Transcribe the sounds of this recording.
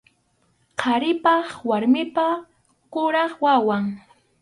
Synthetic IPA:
qʰɑɾɪpɑχwaɾmɪpa | kʊɾɑχwawaŋ

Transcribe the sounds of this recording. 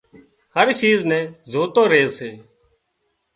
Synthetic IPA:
həɾʃiːznɛ̃ːzoːt̪õːɾeːseː

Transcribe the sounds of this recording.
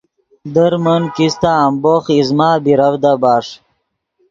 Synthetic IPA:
d̪əɾmənkist̪aːmboːχizmaːbiɾɐwd̪abaːʂ

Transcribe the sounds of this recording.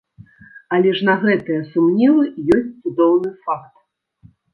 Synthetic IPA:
ɐlʲɛʐnɐɣɛt̪ɨjɛsumnʲɛlˠɨjɔsʲt̚ʲt̪sud̪ɔwnɨfak̚t̪

